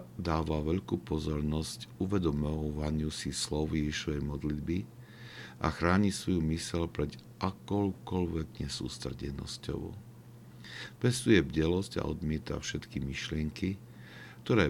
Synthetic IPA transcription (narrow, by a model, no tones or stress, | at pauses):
d̪aːʋaʋɛʎkupɔzɔɾnɔscuʋɛd̪ɔmɔʋaɲɪusislɔʊjɛʒiʃɔʋɛjmɔd̪lid̪bi | ʔa̰xɾaːɲisʋɔjumisɛʎpɾɛd̪ | ʔakɔʊkɔʎʋɛɡɲɛsṵːst̪r̩ɟɛ̰nɔ̰scɔ̰ʋ | pɛst̪ujɛvɟɛlɔsca̰ʔɔ̰d̪mɪɛt̪a̰fʃɛt̪kimiʃlɪɛŋki | k̚t̪ɔɾɛː